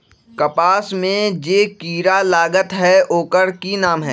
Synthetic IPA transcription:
kɐpaːsmẽd͡ʒeːkiːɾalaːɡət̪ɦɛoːkəɾkinaːmɦɛ̰ː

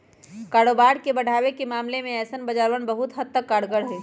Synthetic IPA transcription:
kaːɽoːbaːɾkebəɽʱaːwekemaːmlemẽɛːsənbəd͡ʒaːɾwəɳbəɦut̪ɦəd̪̚t̪ːəkːaːɽɡəɽɦeː

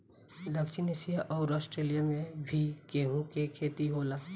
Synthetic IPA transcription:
d̪əkʃɪnesijaʔɔːɾɔːsʈɾeːlijamẽbʱikeːɦũkekʰeːt̪iɦoːla

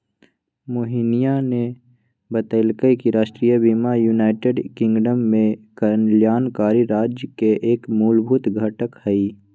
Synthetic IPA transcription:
moɦinijane | bət̪əɪlkəjkiɾaːʃʈɾijəbiːmajuːnaːɪʈeɖkɪ̃ŋɡɖəmːẽkəɾənljaːnkaːɾiɾaːd͡ʒjəkeʔeːkmuːlbʱut̪ɡʱɐʈəkhɐiː

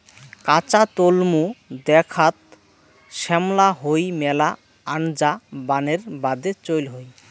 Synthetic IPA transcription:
kat͡ɕat̪olmud̪ɛkʰat̪ | ʃɛmlaɦojmɛla | aɳd͡ʑabaneɾbad̪et͡ɕojlɦoj

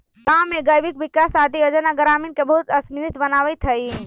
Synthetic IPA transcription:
ɡamːẽɡəjʋik̚ʋikasad̪ijod͡ʒənaɡɾaminkebəɦut̪əsmiɾit̪bənaʋət̪ʰɦəj

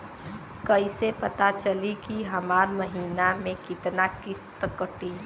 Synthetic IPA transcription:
kəɪsepət̪at͡ʃəlikiɦəmaːɾməɦiːnamẽkɪt̪nakɪst̪əkəʈi

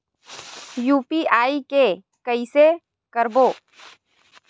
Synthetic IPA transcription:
juːpiaːike | kəise | kəɾboː

